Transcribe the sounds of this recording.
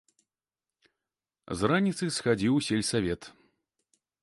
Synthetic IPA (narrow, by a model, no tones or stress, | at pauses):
zranʲit̪sɨsxad͡zʲiwsʲelʲsavʲɛt̪